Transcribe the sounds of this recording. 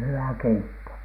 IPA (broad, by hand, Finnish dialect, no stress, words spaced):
hywæ keitːo